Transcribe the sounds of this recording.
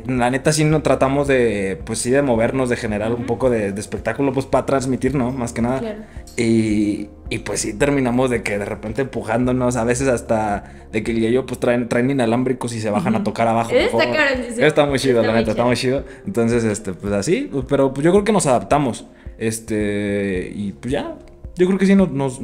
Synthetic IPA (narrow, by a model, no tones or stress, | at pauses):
lane̞t̪as̬inot̪ɾat̪amo̞zðe̞pwesːiðe̞mo̞βe̞ɾno̞zðe̞xe̞ne̞ɾalumpo̞ko̞ðe̞ðeːspe̞k̚t̪akulo̞p̬we̞spaat̪ɾanzmit̪iɾno̞maskenaðaiː | pwesːit̪e̞ɾmĩnamo̞zðe̞ke̞ðe̞repe̞nt̪eːmpuxand̪o̞no̞s̬aβ̞e̞s̬e̞sast̪a | ðe̞keleʝopwest̪ɾaent̪ɾajninalambɾiko̞s̬is̬e̞β̞axanat̪o̞kaɾaβaxooaeeoest̪amujt͡ʃiðolanet̪aesamujt͡ʃiðo̞ent̪o̞ns̬e̞s̬est̪e̞pwesasipe̞ɾo̞pwezʝokɾeoke̞nosaðap̚t̪amo̞s | est̪e | ḭpwezʝa | ɟ͡ʝokɾeokes̬inosnos